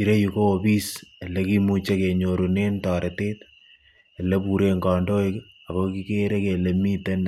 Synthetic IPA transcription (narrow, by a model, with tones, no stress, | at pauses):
i˨ɾe˦juko˦o˨bi˦se˨le˦ki˦mut͡ʃe˦ke˨ɲo˨ɾo˨ne˦ntɑː˨ɾetet | e˨lɛ˦pu˨ɾeŋɡɔ˨ndo˦ik | a˨koki˦keɾe˦ke˨le˨mi˦te˦n